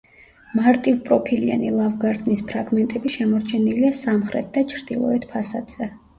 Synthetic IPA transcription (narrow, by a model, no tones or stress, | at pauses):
maɾt̪ʼivpʼɾɔpʰilia̰nilˠavɡaɾt̪ʼnispʰɾaɡmɛnt̪ʼɛbiʃɛmɔɾt͡ʃʰɛniliasamχɾɛ̰t̪̚ʰd̪at͡ʃʰɾd̪ilˠɔ̰ɛt̪ʰpʰasad̪z̥ɛ